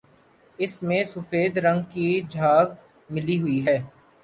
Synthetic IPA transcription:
ɪsmẽsʊfeːd̪ɾɐ̃ŋɡkid͡ʒʱaːɡ | mɪliɦʊiɦɛː

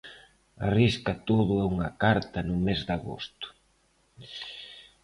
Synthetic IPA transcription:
a̰riskɐt̪oðʊɛuŋɐkaɾt̪ɐnʊmezd̪aɣo̰st̪ʊ̥

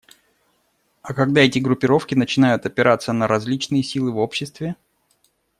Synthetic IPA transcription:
ɐkɐɡ̚d̪aɛtʲɪɡɾʊpʲɪɾo̞fkʲɪnət͡ɕɪn̪ajʊt̪ɐpʲɪɾʔat̪sənəɾɐzʲlʲit͡ɕnɨjəsʲilˠɨvo̞pɕːɪst̪vʲɪ

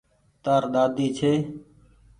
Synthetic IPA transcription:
t̪aːɾɗ̪aːd̪iːt͡ʃʰeː

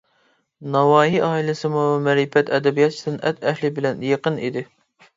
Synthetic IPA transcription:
nɑwɑːɦiʔɑːilˠɪsɨmumɛɾipɛt̪ʰɛd̪ɛbijɑt̪̚t͡ʃʰi̥d̪ɨnʔɛt̪ʰɛhlɪbɪlɛnjeqənḭd̪ɪ

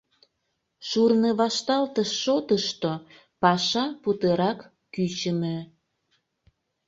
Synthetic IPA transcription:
ʃurneβɑʃt̪ɑlt̪əʃːot̪əʃt̪o | pɑʃɑput̪eɾɑkː | yt͡ɕəme

